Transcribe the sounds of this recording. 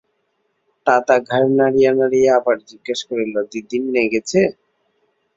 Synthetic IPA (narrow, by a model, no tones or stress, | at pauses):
t̪at̪aɡʱaɾnaɽijanaɽijeabaɾd͡ʑiɡːeʃkoɾilod̪id̪inːeɡet͡ɕʰe